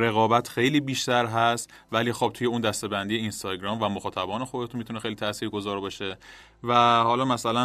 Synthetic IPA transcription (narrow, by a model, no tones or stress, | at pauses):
ɾe̞ɣɒːbæt̪xe̞jliːbiːʃt̪æɾɦæst̪ | væliːxob̚t̪ʰuːje̞und̪æst̪e̞bænd̪ijeinst̪ɒːɟɾɒːmvæmoxɒːt̪ʰæbɒːne̞xod̪et̪ʰunmit̪ʰune̞xejlit̪ʰæsiːɾɡo̞zɒːɾbɒʃe̞ | væhɒːlɒːmæsælæ